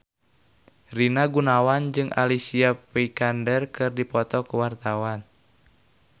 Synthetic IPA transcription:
rinaɡunawand͡ʒɨŋʔa̰lisiapɛikandɛrkɨrdipɔt̪ɔkuwart̪awan

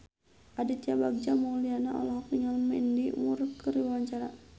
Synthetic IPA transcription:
ʔadit̪jabaɡ̚d͡ʒamaulianaʔɔ̰lɔɦɔk̚niŋalmɛndimurkəɾiwaɲt͡ʃaɾa̰

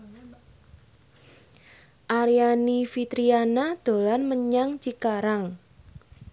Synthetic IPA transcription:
ʔaɾijanifit̪ɾianad̪̥o̤lanməɲaŋt͡ʃikaɾaŋ

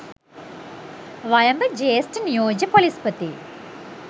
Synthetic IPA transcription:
ʋɐjɐmbɐd͡ʒeːsʈnijoːd͡ʒɐpolispɐt̪i

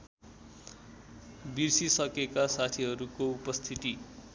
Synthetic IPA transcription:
birsisʌkekasat̪ʰiɦʌɾukoupʌst̪ʰit̪i

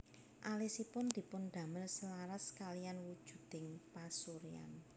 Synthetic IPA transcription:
ʔalisipʊnd̪̥i̤pʊnd̪̥a̤mɪrsəlaɾaskalijanwud̥ʒ̥ṳd̪̥ɪŋpasuɾia̰n

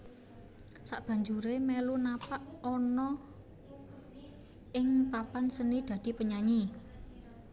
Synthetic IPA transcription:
saʔb̥ä̤ɲd͡ʒuɾemelunapaʔɔnɔ | ʔɪŋpampansənid̪̥ä̤d̪̥i̤pəɲaɲi

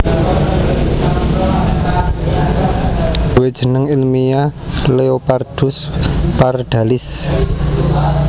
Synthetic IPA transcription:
d̪̥uwed̥ʒ̥ə̤nəŋilmialeopard̥ʊspard̪̥a̤lɪs

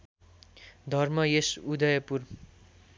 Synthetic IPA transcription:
d̪ʱʌrmʌjesud̪ʌjʌpur

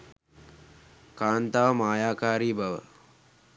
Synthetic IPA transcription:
kaːnt̪aʋəmaːjaːkaːɾiːbaʋə̰

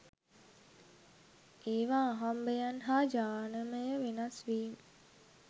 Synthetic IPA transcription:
eːʋaːɦambejanɦaːd͡ʒaːnəməjəʋenasʋiːmə

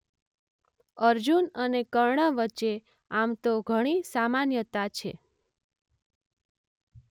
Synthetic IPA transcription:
əɾd͡ʒunənekəɾɳəʋətːt͡ʃːe | amt̪oɡʱəɽ̃isamanjət̪at͡ʃʰe

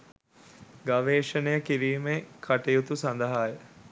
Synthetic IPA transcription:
ɡaʋeːʃənəjəkiɾiːmekʰaʈejut̪usand̪əɦaːjə

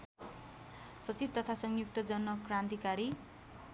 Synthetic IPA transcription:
sʌt͡sib̚t̪ʌt̪ʰasʌŋjuk̚t̪ʌd͡zʌnmʌkrãnt̪ikaɾi

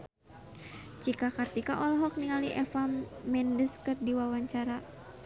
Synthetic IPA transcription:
t͡ʃikakart̪ikaʔɔlɔɦɔk̚niŋaliʔɛfamːɛndəskɨrdiwawaɲt͡ʃaɾa

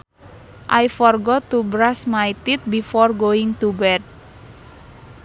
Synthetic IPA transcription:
ʔajfɔrɡɔt̪ubɾasmajt̪it̪̚bifɔrɡoɪŋt̪ubɛd̚

